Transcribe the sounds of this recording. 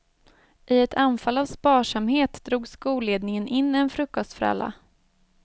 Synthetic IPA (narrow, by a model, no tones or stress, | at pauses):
ʔɪɛt̪ʰanfalːavspɑːʂamheːt̪d̪ɾuːɡskuːleːd̪nɪŋənʔɪnːɛnfɾɵkːɔst̪fœɾa̰lːa̰